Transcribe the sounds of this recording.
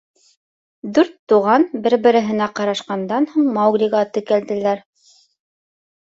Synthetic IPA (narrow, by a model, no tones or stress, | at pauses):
d̪ʉɾt̪ːuʁɑnbɘ̆ɾbɘ̆ɾɘ̆ɦɘ̆næqɑɾɑʃqɑnd̪ɑnhuɴmɑwɡɾʲiɣɑt̪ɘ̆kæld̪ɘ̆læɾ